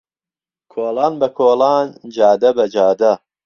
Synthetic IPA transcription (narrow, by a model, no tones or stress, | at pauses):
kʰoːlɑːnbɐkʰoːlɑːnd͡ʒɑːd̪ɐbɐd͡ʒaːd̪ɐ